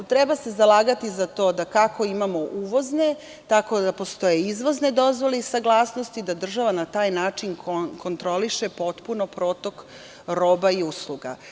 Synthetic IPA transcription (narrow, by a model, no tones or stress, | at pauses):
t̪ɾebase̞zalˠaːɡat̪izat̪o̞ːd̪akako̞imamo̞ʔuʋo̞zne̞ | t̪ako̞d̪apo̞st̪o̞je̞izʋo̞zne̞d̪o̞zʋo̞leisaɡlˠaːsnost̪id̪ad̪r̩ʒaʋanat̪aːjnaːt͡ʃinkkʰo̞nt̪ɾo̞liʃe̞po̞t̪puno̞pɾo̞ːt̪o̞k | ɾoːbaiusluɡa̰